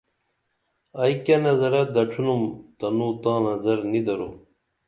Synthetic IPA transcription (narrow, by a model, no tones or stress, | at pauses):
ɐjkɐnɐzɐɾɐd̪ɐʈ͡ʂʰunumt̪ɐnut̪ãːnɐzɐɾnid̪ɐɾo